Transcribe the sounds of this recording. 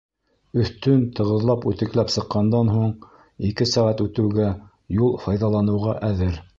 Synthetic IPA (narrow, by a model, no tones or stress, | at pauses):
ɵ̆θt̪ɵnt̪ɤ̆ʁɤ̆ðlˠɑpʉt̪ɘ̆klæpsɤ̆qːɑnd̪ɑnɦuɴ | ikɘsæʁæt̪ʉt̪ɘ̆wɡæ | julˠfɑjðɑlˠɑnɤ̆wʁɑʔæðɘɾ